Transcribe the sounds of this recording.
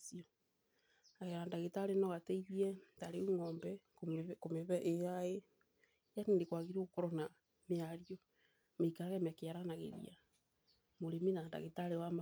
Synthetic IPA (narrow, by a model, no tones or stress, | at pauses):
siɔ | aɣɛɾaːndaɣetaɾenɔɣatɛiβiɛtaɾeuŋɔːmbɛ | komeβɛʔejae | janindekwaɣiɾeokɔɾɔna | meaɾjɔ | meikaɾaɣɛmeakejaɾanaɣḛɾḭa̰ | moɾeminanda̰ɣetaɾewama